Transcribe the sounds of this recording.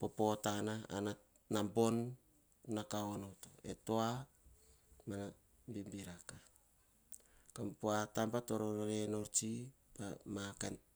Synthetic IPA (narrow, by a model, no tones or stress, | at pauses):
popo̞tanaa̰na | nambo̞nː | akaonotoe̞̰toa | mana | mbimbiɾaka | kampoatampatoɾoɾoɾeno̞ɾt͡ʃi | pamakan